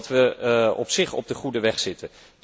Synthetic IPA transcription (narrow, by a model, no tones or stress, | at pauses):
tʋəɔpsɪχɔ̰b̚dəχudəʋɛχsɪtən